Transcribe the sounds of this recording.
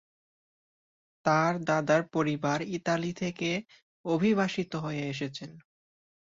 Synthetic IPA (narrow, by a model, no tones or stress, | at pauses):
t̪aɾd̪ad̪aɾpoɾibaɾit̪alit̪ʰeke | obʱiβaʃit̪oɦoeeʃ̬et͡ɕʰen